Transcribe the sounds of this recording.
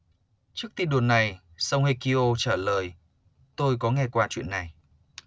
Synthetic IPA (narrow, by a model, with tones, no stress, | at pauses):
t͡ɕɨ˦˥k̚t̪i˧nɗu˨˩nːa˨˩j | sa˧whe˧ki˧ʔo˧t͡ɕaː˧˩ləː˨˩j | t̪o˧jkɔ˨˦ŋɛ˧kwaː˧t͡ɕwḭ˧˨ənːa˨˩j